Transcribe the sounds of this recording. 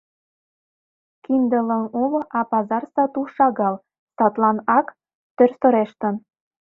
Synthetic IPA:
kind̪ələ̆nolɤʔɑpɑzɑrsɑt̪uʃɑɣɑl | sɑt̪lɑnɑk | t̪ørsɤ̆ɾeʃt̪ə̆n

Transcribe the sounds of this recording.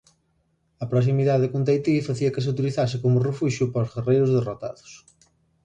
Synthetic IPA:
ɐpɾos̬imiðaðɪkont̪ejt̪ifɐθiɐkɪs̬uwt̪̬iliθas̬ɪkomʊrefuʃjʊpzɣerejɾʊzðerot̪a̰ðʊ̥s

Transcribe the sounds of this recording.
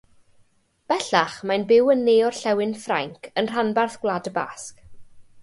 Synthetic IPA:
b̥ɛɬaχmajnbɪwənːeːɔrɬɛwɪnfraŋkʰənr̥anbarθɡ̥wlˠadəba̰sk

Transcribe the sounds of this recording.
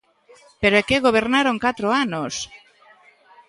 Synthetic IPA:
peɾoɛkeɣoβ̞eɾnaɾoŋkat̪ɾoanos

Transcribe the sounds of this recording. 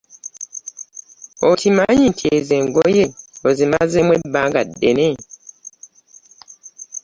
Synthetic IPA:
otʰimaɲitʰiezeŋɡojeozemazemwebaŋɡadːene

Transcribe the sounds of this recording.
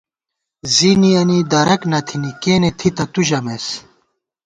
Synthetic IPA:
ziniɐnid̪ɐɾɐknɐt̪ʰinikeːnet̪ʰit̪ɐt̪uʑɐmes

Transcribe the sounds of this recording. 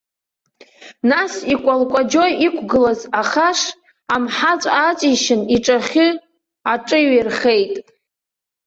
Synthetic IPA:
nasikʷʼalkʷʼad͡ʒojikʷʰɡɨlazaχaʂ | amħat͡sʷʼat͡sʼiʃɪniʈ͡ʂʼaχʲɨ | aʈ͡ʂʼɨɥerχe̞jtʼ

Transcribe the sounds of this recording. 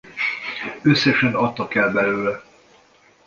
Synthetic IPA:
øsːɛʃɛnɒt̪ːɒkɛlbɛløːlɛ

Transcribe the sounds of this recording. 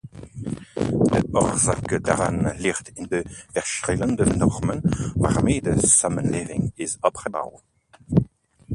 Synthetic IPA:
dəɔʁzakəda̰ʁanliʁtɪndəv̥ɛʁʃʁɪləndənɔʁmənva̰ʁmeːdəsamənlevɪ̰ŋɪzɔpʁəba̰w

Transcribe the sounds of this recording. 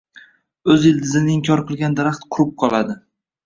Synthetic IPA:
ɵzɪld̪ɪzɪnɪɪŋkʲʰɒɾqɨlˠɡʲand̪aɾaχt̪qʰʊɾʊp̚qʰɒlˠad̪ɪ

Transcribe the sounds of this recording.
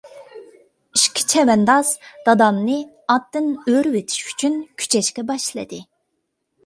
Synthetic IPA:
iʃkʲʰi̥t͡ʃʰɛwɛnd̪ɑzd̪̥ɑd̪ɑmnɨ | ɑt̪ːɨnøɾwet̪ʰi̥ʃy̥t͡ʃʰynkʲʰy̥t͡ʃʰɛʃkʲɛbɑʃlˠɨ̰d̪ɨ

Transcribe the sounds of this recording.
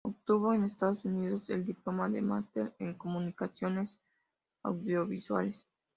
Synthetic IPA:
op̚t̪uβ̞o̞enest̪aðosuniðose̞ld̪iplo̞maðḛma̰st̪eɾeŋko̞munikasjo̞ne̞s | a̰wðjoβiswa̰le̞s

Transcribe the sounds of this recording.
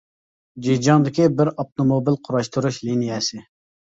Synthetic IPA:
d͡ʒid͡ʒɑŋd̪ɪkʲibɪɾɑp̚t̪omobilˠqʰʊɾɑʃt̪uɾuʃlinijɛsɪ

